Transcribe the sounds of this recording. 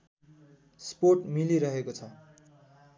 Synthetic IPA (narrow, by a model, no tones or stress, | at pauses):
sporʈmiliɾʌɦekot͡sʰʌ